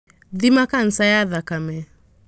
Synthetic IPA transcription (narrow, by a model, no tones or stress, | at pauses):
ðimakan̩sajaðakamɛ